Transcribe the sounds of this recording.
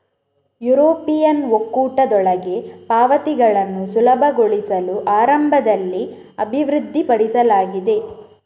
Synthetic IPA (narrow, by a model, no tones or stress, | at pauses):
juɾoːpijɐnʋokːuːʈɐd̪ɔɭɐɡe̞paːʋɐt̪iɡɐɭɐnːusulɐbʱɐɡoɭisɐluʔaːɾɐmbʱɐd̪ɐlːi | ɐbʱiʋɾud̪ʱːipɐɽisɐlaːɡid̪e̞